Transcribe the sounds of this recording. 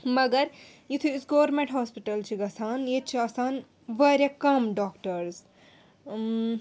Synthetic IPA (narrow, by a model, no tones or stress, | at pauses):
mɐɡɐɾ | jut̪ʰiisɡɐʋɐɾmẽɳʈɦɔːspiʈɐlt͡ʃʰiɡɐsaːnjet͡ʃʰiɐsaːn | ʋɐɾjɐkɐmɖaːkʈɐɾz